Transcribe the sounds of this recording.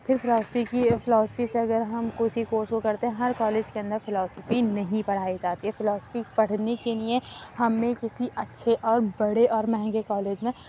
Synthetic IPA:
pʰɪɾfʰɪlɔːspikipʰɪlɔːsəpiseɐɡəɾɦɐmkoɪsikoːɾskokɐɾt̪eɦɛ̃ɦɐɾkɔːleːd͡ʒkeɐ̃nd̪əɾfɪlɔːsəfinɐɦĩpɐɽ̤aːid͡ʒaːt̪iɦɛfɪlɔːspipɐɽ̤nekeliẽhɐmːẽkɪsiʔɐtːʃʰeʔɔːɾbɐɽeʔɔːɾmɛɦɛ̃ŋɡekɔːleːd͡ʒmẽ

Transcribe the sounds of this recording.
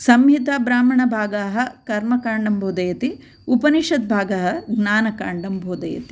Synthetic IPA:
sɐmɦit̪aːbɾaːmɐɳɐbʱaːɡaːɦɐ̆kɐɾmɐkaːɳɖɐmbʱoːd̪ɐjɐt̪i | upɐniʃɐt̪̚bʱaːɡɐɦɐ̆ɡnaːnɐkaːɳɖɐmbʱoːd̪ɐjɐ̰t̪i̥

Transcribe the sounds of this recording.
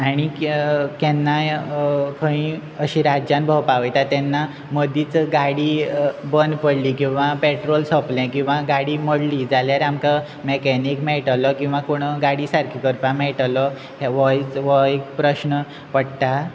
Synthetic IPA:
aɽ̃ikɛnːajkʰəĩəɕiɾad͡ʑjanbʱəwpaʋəjt̪at̪ɛnːa | məd̪ʱiːt͡sɡaɽiːbənpəɽlikĩw̃ʋapɛʈɾolsəplɛ̃kĩw̃ʋãɡaɽiːməɽliːd͡zaljaɾamka | mɛkɛnikmɛʈlɔkĩw̃ʋãkoɽ̃əɡaɽiːsaɾkʰikəɾpãmɛʈlɔ | hʋəjt͡sʋɔjkpɾəɕnə | pəɽt̪a

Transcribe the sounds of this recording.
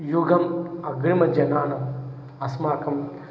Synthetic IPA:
juɡɐmɐɡɾimɐd͡ʒɐnaːnɐm | ɐsmaːkɐm

